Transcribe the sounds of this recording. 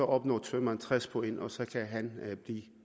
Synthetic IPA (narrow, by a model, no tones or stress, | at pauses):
ɒ̽ʔɒ̽b̥nɒ̰ːt͡sʰʋømænt͡sʰʁɛspʰɒ̽e̝nʔɒ̽sɒ̽kʰæɦænb̥liː